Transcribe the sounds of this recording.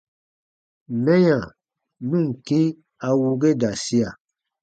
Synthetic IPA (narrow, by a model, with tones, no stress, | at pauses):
mɛ̃˦jã˨ | nũ˦˨ŋ̩˨kĩ˦ | a˨wu˦ɡe˦da˨si˦a˨